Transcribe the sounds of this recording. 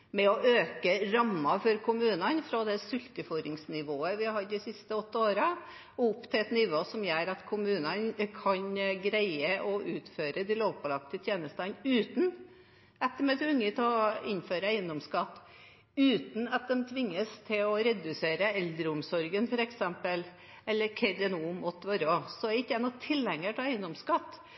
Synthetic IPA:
mɛɔʔøːkəɾɑmːɑfɔɾkʰʊmʉːnənfɾɔd̪ɛsʉlt̪əfɔɾɪŋsnɪʋoːəʋɪhɑd̪d̪ɪsɪst̪əɔt̪ːoːɾə | ʊpːt̪ʰɪlɛt̪nɪʋoːsɔmjæːɾɑt̪kʰʊmʉːnənkʰɑnɡɾæɪəʔɔʔʉːt̪føːɾəd̪ɪloːʋpʰɑlɑkt̪ət̪ʰjeːnəst̪ɑnʉːt̪n̩ | ɛt̪ːəmɛt̪ʰʉŋːət̪ʰɔɪnføːɾəæɪənd̪ɔmskɑt̪ː | ʉːt̪n̩ɑt̪̚d̪ɛnt̪ʰʋɪŋːəst̪ʰɪlɔɾɛd̪ʉseːɾəɛld̪ɾəʊmsɔɾɡənfɔɾɛksɛmpəl | ɛlːəɾkʰɛd̪ɛnuːmɔt̪ːʋɔɾɔsɔæɾɪkːəɛnːɔt̪ʰɪlːɛŋːəʈʰɑːæɪənd̪ɔmskɑt̪ː

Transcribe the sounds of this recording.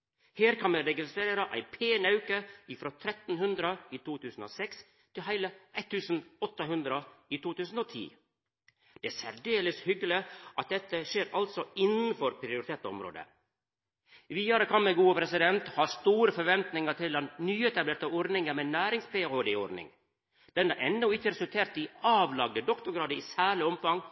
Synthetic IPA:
heːɾkʰɑnmɛɾɛɡɪst̪ɾeːɾəʔæ̰ɪpʰeːnɑʉkəɪfɾoːt̪ʰɾɛt̪n̩hʉnd̪ɾəiːt̪ʰuːt̪ʰʉːsn̩o̰ːsɛks | t̪ʰɪlɦæɪləʔæɪt̪ʰːʉːsn̩ɔt̪ːəɦʉnd̪ɾəiːt̪ʰuːt̪ʉːsn̩oːt̪ʰḭː | d̪̥ɛːsæɾɖeːləshʏɡəlɪʔɑt̪̚d̪ɛt̪ːəʃeːɾɑlt̪sɔɪnənfɔɾpʰɾɪʊɾɪt̪ʰeːt̪ɔ̰mɾo̰ːd̪ə̰ | ʋiːɑɾəkʰɑnmɛɡuːəpɾɛsɪd̪ɛnt̪hɑːst̪uːɾəfɔɾʋɛnt̪nɪŋəʈ̪ʰɪlɑnnyːɛt̪ɑbleːʈ̪ɑɔɾɖ̪nɪŋəmɛnæːɾɪŋspeːhoːd̪eɔɾɖnɪ̰ŋ | d̪̥ɛnəɾʔɛnːʊɪçəɾɛsʉlt̪ʰeːɾt̪̚d̪ɪɑːʋlɑɡ̚d̪əd̪ɔkt̪ʊɾɡɾɑːd̪əɪːsæːɭɪɔmfɑŋ

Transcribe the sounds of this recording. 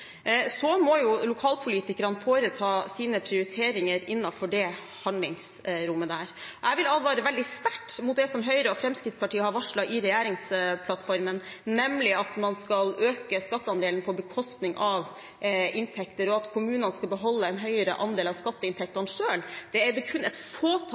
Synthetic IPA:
sɔmɔjʊlʊkʰɑːlpʰʊliːt̪ɪkəɾənfoːɾət̪ʰɑːsiːnəpʰɾɪʊɾɪt̪ʰeːɾɪŋəɾɪnːɑfɔɖɛ | hɑnd̪lɪŋs | ɾʊmːəd̪æːɾʔæɪʋɪlɑlʋɑːɾəʋɛld̪ɪst̪æʈːmʊt̪̚d̪ɛsɔmɦœʏɾəɔfɾɛmskɾɪt̪spɑʈiːəhɑɾʋɑʂɭɑʔɪɾɛjæːɾɪŋspʰlɑt̪ːfɔɾmənnɛmlɪɑt̪mɑnskɑløːkəskɑt̪ːəɑnd̪eːlən̩pʰɔbəkʰɔst̪nɪŋʔɑʋ | ɪnt̪ʰɛkt̪əɾɔɑt̪kʰʊmʉːnənəskɑlbəɦɔlːəɛnɦœʏəɾə̰ʔɑnd̪eːlɑʋskɑt̪ːəɪnt̪ʰɛk̚t̪ɑnʂøːld̪̥ɛæɾd̪ɛkʰʉnːɛt̪foːt̪ʰ

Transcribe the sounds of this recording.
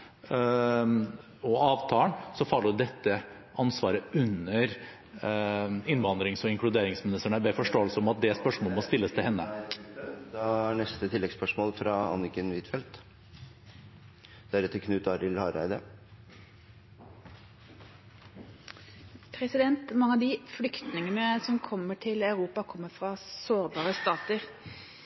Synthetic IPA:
ɔɑːʋt̪ʰɑːəɳsɔfɑlːəd̪ɛt̪ːə | ʔɑnsʋɑːɾəʉnəɾ | ɪnʋɑnd̪ɾɪŋsɔɪŋkɽʉd̪eːɾɪŋsmɪnɪst̪əɳəbɛfɔʂʈoːəlsəɔmɑt̪̚d̪ɛspœʂmoɔːəmɔst̪ɪlːəst̪ʰɪlhɛnːə̰ | d̪ɛæɳɛst̪ət̪ʰɪlːɛɡspœʂmoːlfɾɑɑ̰nɪkənʋɪt̪fɛlt̪ | d̪̥æɾɛt̪ʰːəkʰnʉːt̪ɑɾɪlhɑɾæ̰ɪd̪ə̰ | pʰɾɛsɪd̪ɛnt̪mɑŋːəɑʋd̪ɪflʏkt̪nɪŋənəsɔmkʰɔmːəʈʰɪlaʉɾuːpɑkʰɔmːəfɾɑsoːɾbɑːɾəst̪ɑːt̪əɾ

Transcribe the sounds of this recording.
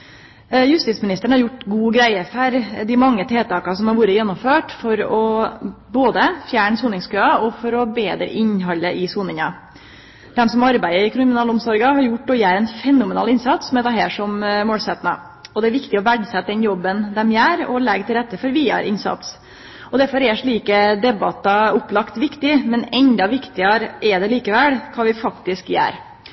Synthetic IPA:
jʉst̪ɪt̪smɪnɪst̪əɳ̩hɑɾjʊʈːɡuːɡɾæɪəfœɾd̪ɪmɑŋːət̪ʰeːt̪ʰɑːkɑsɔmhɑɾʋuːɾəjɛnːɔmføːʈfɔɾɔboːd̪əfjæːɳəsuːnɪŋskøːɑɔfɔɾɔbeːd̪ɾə̰ʔɪɲɦɑlːəʔɪsuːnɪŋɑ | d̪̥ɛmsɔmɑɾbæɪəɾɪkɾɪmɪnɑːlʊmsɔɾɡɑhɑɾjʊʈ̚ːɔːjæːɾɛnfɛnʊmɛnɑ̰ːlɪnsɑt̪sɔmɛːt̪ɑɦeːʂɔmmoːlsɛt̪nɑ̰ | ɔd̪ɛæɾʋɪkt̪ɪɔʋæɖsɛt̪ːəd̪ɛnjɔbːənd̪ɛmjæːɾɔlɛɡt̪ʰɪlɾɛt̪ːəfɔɾʋiːɑ̰ɾʔɪ̰nsɑ̰t̪s | ɔd̪æɾfɔɾɛʂɭiːkəd̪ɛbɑt̪ɑʊpːlɑkt̪ʋɪkt̪ɪmɛnɛnd̪ɑʋɪkt̪ɪɑɾɛd̪ɛliːkəʋɛlkʰɑːʋɪfɑkt̪ɪskjæ̰ːɾ

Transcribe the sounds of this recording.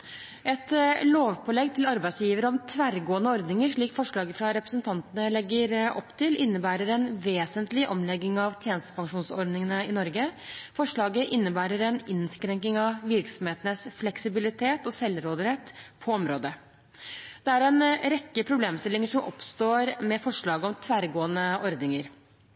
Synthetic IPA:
ɛt̪loːʋpʰɔːlɛɡt̪ʰɪlɑɾbæɪsjiːʋəɾəɔmt̪ʰʋæɾɡoːənəɔɾd̪nɪŋəʂɭiːkfɔʂɭɑːɡəfɾɑɾɛpɾəsənt̪ʰɑnt̪ənəlɛɡːəɾʔɔ̰pːt̪ʰɪlʔɪnːəbæːɾəɾɛnʋeːsənt̪lɪʔɔmlɛɡːɪŋɑʋt̪ʰjeːnst̪ə̥pɑŋʂuːnsɔɾɖd̪nɪŋənəɪnɔɾɡəfɔʂɭɑːɡəʔɪnːəbæːɾəɾɛnɪnskɾɛŋkɪŋɑʋʋɪɾksɔmheːt̪ənəsflɛksɪbɪlɪt̪ʰeːt̪ɔsɛlːɾoːd̪əɾɛt̪ːpʰɔɔmɾoːd̪ə | d̪̥ɛæɾɛnɾɛkːəpʰɾʊbleːmst̪ɪlɪŋəʂɔmʔɔ̰pst̪oːɾmɛfɔʂɭɑːɡəɔmt̪ʰʋæːɾɡoːənəɔɾd̪nɪŋəɾ

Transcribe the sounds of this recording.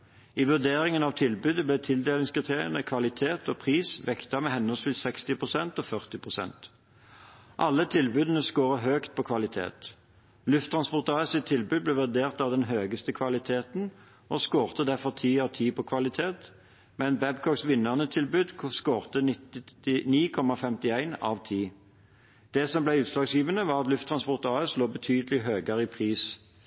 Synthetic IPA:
iːʋʉʁd̪eːɾɪŋənɑʋt̪ʰɪlbʉːd̪əblɛt̪ʰɪld̪eːlɪŋskʁɪt̪ʰeːʁɪənəkʰʋɑlɪt̪ʰeːt̪oːpʰʁiːsʋɛkt̪ɑmɛɦɛnːɔsfɪlsɛkst̪ɪpʰʁʊsɛnt̪oːfœʁt̪ɪpʰʁʊsɛ̰nt̪ | ʔɑlːət̪ʰɪlbʉd̪ənəskoːʁəɦøːkt̪̚pʰɔːkʰʋɑlɪt̪ʰḛːt̪ | lʉft̪ʰːʁɑnspɔʁt̪ɑəsɪt̪ʰːɪlbʉd̪̚blɛːʋʉd̪eːʁt̪ɑʋd̪ɛnɦøːɡəst̪əkʰʋɑlɪt̪ʰeːt̪n | ʔɔskoːʁt̪əd̪æʁfɔʁt̪ʰiːɑʋt̪ʰiːpʰɔkʰʋɑlɪt̪ʰeːt̪ | mɛnbɛbkʰɔksʋɪnəʁnət̪ʰɪlbʉːd̪skoːʁt̪ənɪt̪ɪniːkʰɔmɑfɛmt̪ɪæɪnɑ̰ʋt̪ʰiː | d̪̥ɛsɔmblæɪʉːt̪slɑːɡsjiːʋənəʋɑːʁɑt̪lʉft̪ʰʁɑnspɔʁt̪ɑːəsloːbət̪ʰyːd̪əlɪɦøːɡəʁiːpʰʁiːs

